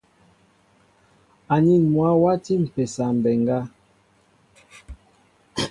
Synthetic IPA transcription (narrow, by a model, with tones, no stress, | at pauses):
a˨ni˦n˨mwa˦wa˦ti˦m̩˨pɛ˨sa˨m̩˨bɛ˨ŋ˨ɡa˦